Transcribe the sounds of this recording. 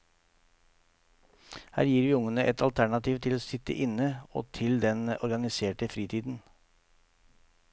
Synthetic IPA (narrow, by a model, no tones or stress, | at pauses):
hæ̰ːɾjiːɾʋiːʊŋənəʔɛt̪ɑlt̪ʰæɳɑt̪ʰiːʋt̪ʰɪloːsɪt̪ə̰ʔɪnəo̰ːt̪ʰɪld̪ɛnɔɾɡɑnɪseːʈəfɾiːt̪ʰiːd̪n̩